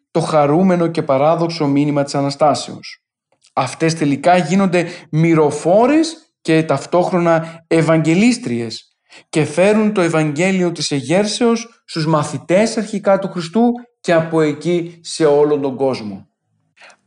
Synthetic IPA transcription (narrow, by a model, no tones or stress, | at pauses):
t̪o̞xɐɾume̞no̞ce̞pɐɾɐðo̞kso̞minimɐt̪i̥sɐnɐst̪ɐse̞̰o̞̰s | ɐft̪e̞st̪e̞likɐʝino̞nd̪e̞miɾo̞fo̞ɾes | ce̞t̪ɐft̪o̞xɾo̞nɐevɐɲɟe̞list̪ɾie̞s | ce̞fe̞ɾunt̪oe̞vɐɲɟe̞lio̞t̪ise̞ʝe̞ɾse̞osːt̪uzmɐθit̪e̞sɐɾçikɐt̪uxɾist̪uce̞ɐpo̞e̞cise̞o̞lo̞nd̪o̞ŋɡo̞zmo̞̰